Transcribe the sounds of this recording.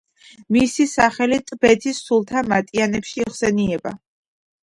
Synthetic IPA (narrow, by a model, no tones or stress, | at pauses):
misisaχɛlit̪ʼbɛt̪ʰisulˠt̪ʰamat̪ʼianɛpʃiχsɛniɛba̰